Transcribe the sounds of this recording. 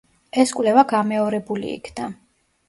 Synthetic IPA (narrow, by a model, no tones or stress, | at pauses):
ɛskʼwvlɛvaɡamɛɔɾɛbulḭḭkʰna